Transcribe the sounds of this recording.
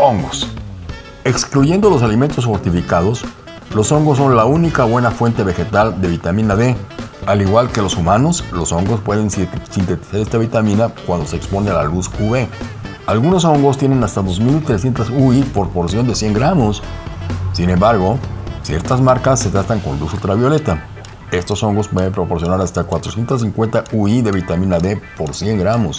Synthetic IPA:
oŋɡos | e̞kskluʝe̞nd̪o̞lo̞s̬aliment̪o̞s̬fo̞ɾt̪ifikað̞o̞s | lo̞so̞ŋɡos̬ːo̞nlaunikaβwe̞nafwe̞nt̪e̞βe̞xe̞t̪ald̪e̞βit̪amĩnaðe̞aliɣwalke̞lo̞sumano̞slo̞so̞ŋɡo̞spwe̞ðe̞nsint̪e̞t̪i̥saɾe̞st̪aβit̪amĩnakwand̪o̞seeːkspo̞nealalusuβe̞ | alɣuno̞so̞ŋɡo̞st̪je̞ne̞nast̪aðo̞zmilt̪ɾesje̞nt̪asuipo̞ɾpo̞ɾsjo̞nd̪e̞sje̞ŋɡɾamo̞s | sine̞mbaɾɣo̞sje̞̰ɾt̪azmaɾkasːet̪ast̪aŋko̞̰nlusot̪ɾaβjo̞le̞t̪a | e̞st̪o̞so̞ŋɡo̞spwe̞ðe̞mpɾo̞po̞ɾsjonaɾast̪akwat̪ɾosjent̪as̬iŋkwe̞nt̪aʔuiðe̞βit̪amĩnaðe̞po̞ɾsje̞ŋɡɾamo̞s

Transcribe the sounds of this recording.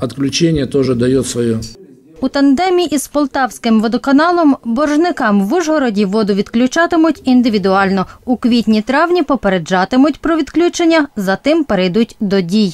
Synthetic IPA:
ɐt̪klʲʉt͡ʃenʲɪjət̪oʐɨd̪ɐjot̪sʋɔjo | ut̪ɐnd̪ɛmʲiiʔispɔlˠt̪ɑwsʲkɪmʋɔd̪ɔkɐnɑlˠɔmbɔrʒnɪkɑmʋuʒɦɔɾɔdʲiʋɔd̪ʊʋʲid̪klʲʊt͡ʃɑt̪ɪmʊtʲind̪ɪʋʲid̪ʊɑlʲnɔukʋʲit̪ʲnʲit̪ɾɑwnʲipɔpeɾed͡ʒɑt̪ɪmʊtʲpɾɔʋʲid̪klʲut͡ʃenʲːɐzɐt̪ɪmpeɾejd̪ut̚ʲd̪ɔdʲij

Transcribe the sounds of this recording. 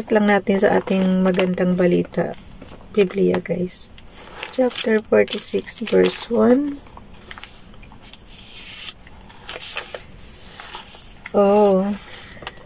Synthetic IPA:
t̪lɐŋnaːt̪ɪnsɐʔa̰ːt̪ɪŋmɐɡɐnd̪aŋbɐlḭːt̪ɐ̰ʔ | b̥iblɪjɐ̰ɡa̰js | t͡ʃap̚t̪ɛɹfoɹt̪ɪsɪksvɛɹswan | ʔo

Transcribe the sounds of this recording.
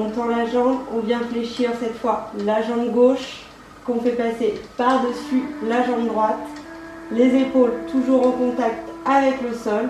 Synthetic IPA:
ɔ̃t̪ɑ̃laʒɑ̃bɔ̃vjɛ̃fleʃiʁsɛt̪fwalaʒɑ̃ɡoʃ | kɔ̃fɛpasepaʁd̪əsylaʒɑ̃bd̪ʁwat̪ | lezepolt̪ʰuʒuʁɑ̃kɔ̃t̪ak̚t̪avɛkləsɔl

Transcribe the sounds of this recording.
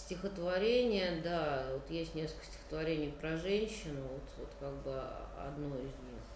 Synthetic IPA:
sʲtʲɪxət̪vɐɾʲenʲɪjəd̪avot̪jesʲtʲnʲesk̪əsʲtʲɪ̥xə̥t̪vɐɾʲenʲɪjpɾɐʐɛnʲɕːɪnʊvo̞t̪vot̪kaɡ̚bɨɐ̰d̪no̞ɪzʲnʲix

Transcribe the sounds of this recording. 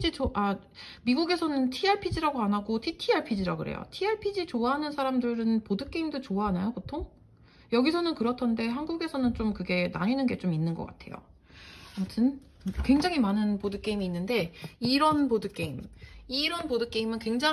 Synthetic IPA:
it͡ɕoa | miɡuɡe̞sʰʌnɯntʰiaɭpʰid͡ʑiɾaɡoanaɡotʰitʰiaɭpʰid͡ʑiɾaɡɯɾḛjo̰tʰiaɭpʰid͡ʑit͡ɕoaɦanɯnsʰaɾamdɯɾɯnpodɯk͈eimdot͡ɕoaɦanajopotʰoŋ | jʌɡisʰʌnɯnkɯɾʌtʰʌnde̞ɦanɡuɡe̞sʰʌnɯnt͡ɕ͈omkɯɡe̞na̰ɲinɯnɡe̞t͡ɕominːɯnɡʌ̰k͈a̰tʰe̞jo̰ | atʰɯn | kwe̞ŋd͡ʑaŋimanɯnpodɯk͈e̞imiːnːɯnde̞iɾʌnpodɯk͈e̞imiɾʌnpodɯk͈e̞imɯnkwe̞ŋd͡ʑa

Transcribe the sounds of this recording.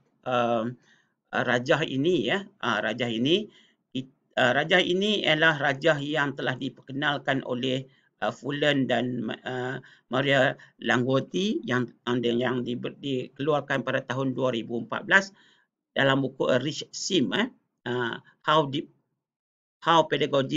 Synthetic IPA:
ʔəm | əɾad͡ʒaɦḭnijəʔəɾad͡ʒahini | ki | əɾad͡ʒahḭnijə̰lahrad͡ʒahjaŋt̪əlahdipərkənalkanʔo̰lɛh | əfuləndanmə | maɾialaŋɡot̪ijaŋjaŋdidikəluarkanpadat̪aɦʊnduaɾibuəmpa̰t̪̚bəlas | d̥alambukuʔəɾiʃsimə | ə | hawdi | hawpedaɡoɡi

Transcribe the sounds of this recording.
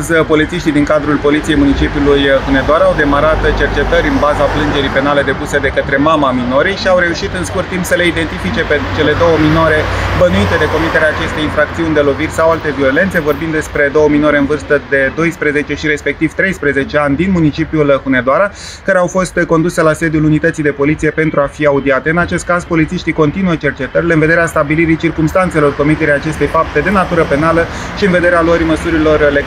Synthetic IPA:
zpo̞lit̪siʃt̪ijd̪iŋkad̪ɾulpo̞lit̪sije̞jmunit͡ʃipiulujxune̞d̪oaɾaːwd̪e̞maɾat̪t͡ʃert͡ʃe̞t̪əɾʲɨnbazaplɨnd͡ʒe̞ɾipe̞nale̞d̪e̞puse̞d̪e̞kət̪ɾe̞mamamino̞ɾijʃiawɾe̞uʃit̪ɨnskurt̪ːimpsəle̞id̪e̞nt̪ifit͡ʃe̞pe̞t͡ʃe̞le̞d̪o̞wəmino̞ɾe̞bənuit̪e̞d̪e̞ko̞mit̪e̞ɾeaːt͡ʃe̞st̪e̞jinfɾak̚t̪siunʲd̪e̞lo̞virʲsawalt̪e̞vio̞le̞nt̪se̞vo̞rbind̪d̪e̞spɾe̞d̪o̞wəmino̞ɾe̞ɨnvɨrst̪əd̪e̞d̪o̞jspɾe̞ze̞t͡ʃe̞ʃiɾe̞spe̞k̚t̪iv̥t̪ɾe̞jspɾe̞ze̞t͡ʃe̞anʲd̪inmunit͡ʃipjulhuned̪oaɾa | kaɾe̞awfo̞st̪ko̞nd̪use̞lase̞d̪julunit̪ət̪sijd̪e̞po̞lit̪sije̞pe̞nt̪ɾuafiaud̪iat̪e̞ɨnat͡ʃe̞st̪̚kazpo̞lit̪siʃt̪iko̞nt̪inuət͡ʃe̞rt͡ʃe̞t̪əɾileɨnve̞d̪eɾeast̪abiliɾit͡ʃirkumst̪ant̪se̞lo̞rko̞mit̪eɾijat͡ʃe̞st̪e̞jfap̚t̪e̞d̪e̞nat̪uɾəpe̞naləʃiɨnve̞d̪e̞ɾealoəɾiməsuɾilo̞rle

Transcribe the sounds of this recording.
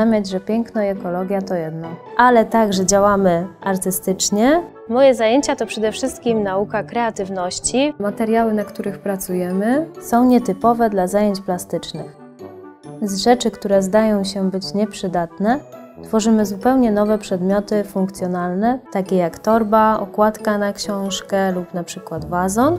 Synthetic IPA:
amʲjad͡ʑʐɛpʲjɛŋknɔjɛkɔlɔɡʲjat̪ɔjɛd̪nɔʔalɛt̪aɡʐɛd͡ʑawamɘʔaɾt̪ɘst̪ɘt͡ʂɲɛ | mɔjɛzajeɲt͡ɕat̪ɔpʂɛd̪ɛfʂɘst̪̚kʲimnaukakɾɛat̪ɘvnɔɕt͡ɕimat̪ɛɾjawɘnakt̪uɾɘxpɾat̪sujɛmɘsɔ̃w̃ɲɛt̪ɘpɔvɛd̪lazajeɲt͡ɕplast̪ɘt͡ʂnɘx | zʐɛt͡ʂɘkt̪uɾɛzd̪ajɔ̃w̃ɕɛbɘt͡ɕɲɛpʂɘd̪at̪nɛ | t̪fɔʐɘmɘzupɛwɲɛnɔvɛpʂɛd̪mʲjɔt̪ɘfuŋk̚t̪sʲjɔnalnɛt̪akʲɛjakt̪ɔɾbaɔ̰kwat̪kanakɕɔ̃w̃ʂkɛlupnapʂɘkwad̪bazɔn

